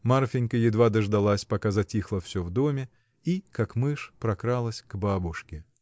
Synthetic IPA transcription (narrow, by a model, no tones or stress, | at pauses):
marfʲɪnʲkəjɪd̪vad̪əʐd̪alˠasʲpɐkazɐtʲixlˠəfsʲɵvd̪omʲɪ | ikakmɨʂpɾɐkɾalˠəsʲɡ̥babʊʂkʲɪ